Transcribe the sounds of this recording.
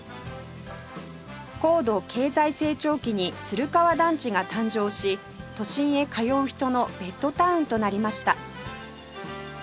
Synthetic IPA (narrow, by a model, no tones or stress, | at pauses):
ko̞ːd̪o̞kʰe̞ːzaise̞ːt͡ɕo̞ːkʲiɲ̟it͡sɨɾɯ̟kaβad̪ãɲ̟t͡ɕiɡat̪ãɲ̟d͡ʑo̞ːɕi | t̪o̞ɕĩɰ̃e̞kajo̞ːçi̥t̪o̞no̞b̥e̞t̪ːo̞t̪aɯ̟̃nt̪o̞naɾʲimaɕi̥t̪a